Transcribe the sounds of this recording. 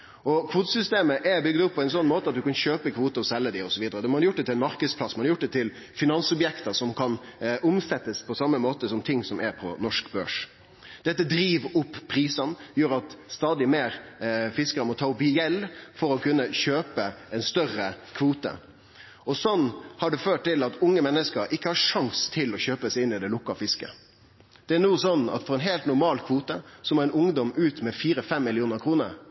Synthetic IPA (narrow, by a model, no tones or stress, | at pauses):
ʔɔkʰʋuːt̪əsʏst̪eːməʔɛbʏɡd̪ʊpʰːɔɛɪnsɔnːmoːt̪əɑt̪̚d̪ʉkɑnɕøːpəkʰʋuːt̪əɔsɛlːəd̪ɪɔsɔʋiːd̪əɾəd̪ɛmɔhɑɾjʊʈ̚d̪ɛt̪ʰɪlɛnmɑɾkəd̪spʰlɑsːmɑnɑɾjʊʈ̚ːd̪ɛt̪ʰɪl | fɪnɑnsɔbjɛkt̪əʂɔmkʰɑnʔʊmsɛt̪ːəspʰɔsɑmːəmoːt̪əsɔmt̪ʰɪŋsɔmɛɾpʰɔ̰nɔʂkbø̰ːʂ | d̪ɛt̪ːəd̪ɾiːʋʊpːʰɾiːsɑnjøːɾɑt̪st̪ɑːd̪ɪmeːɾfɪskəɾəmɔt̪ʰɑːʊpjɛlːfɔɾɔkʰʉnːəçøːpəɛɪnst̪œrəkʰʋuːt̪ə̰ | ɔsɔnːhɑɖʉføːʈ̚t̪ɪlɑt̪ʊŋːəmɛnːəskəɾʔɪkːəhɑʂɑŋst̪ʰɪlɔçøːpəsɛɪɪnːɪd̪ɛlʊkːɑfɪskə̰ | d̪̥ɛænuːsɔnɑ̰t̪fɔɾɛnɦeɪlt̪nʊɾmɑːlkʰʋuːt̪əsɔmɔæɪnʊŋd̪ɔmʔʉːt̪mɛfiːɾəfɛmːɪlɪuːnəɾkʰɾuːnəɾ